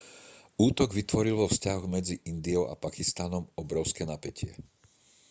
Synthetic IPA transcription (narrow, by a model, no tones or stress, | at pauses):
uːt̪ɔɡʋit̪ʋɔɾilʋɔfscaɦɔɣmɛd͡ziʔind̪iɔʊʔa̰pakist̪anɔmɔbɾɔʊskɛːnapɛcʰɪɛ̰